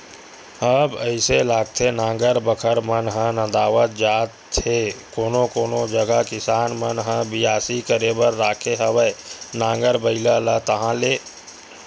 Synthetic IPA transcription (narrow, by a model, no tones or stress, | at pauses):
əbəɪselaːɡ̚t̪ʰenãːŋɡəɾbəkʰəɾmənɦə̃nə̃d̪aːʋət̪̚d͡ʒaːt̪ʰekoːnokoːnod͡ʒəɡakɪsaːnmənɦə̃bɪjaːsikəɾebəɾːaːkʰeɦəwənãːŋɡəɾbəɪlalət̪əɦãleː